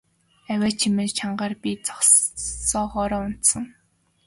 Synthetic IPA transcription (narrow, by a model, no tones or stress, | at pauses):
æwʲæːt͡ɕʰimɘ̆nt͡ɕʰaɴɢaːrpʲit͡sɔ̥χsɔːχɔɾɔːʊn̥t̪sə̆ŋ